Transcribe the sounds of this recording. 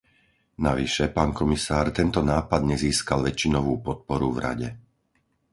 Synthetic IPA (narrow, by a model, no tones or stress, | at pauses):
naʋiʃɛpaːnkɔmisaːɾt̪ɛnt̪ɔnaːpad̪ɲɛziːskalʋɛt͡ʃinɔʋuːpɔt̪̚pɔɾuvɾa̰ɟɛ